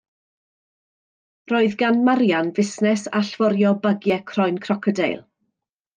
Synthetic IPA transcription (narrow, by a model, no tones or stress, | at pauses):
roːɨðɡanmaɾjanvɪsnɛsa̰ɬv̥ɔɾjɔbəɡjɛkʰrɔjnkʰrɔkʰɔdḛjlˠ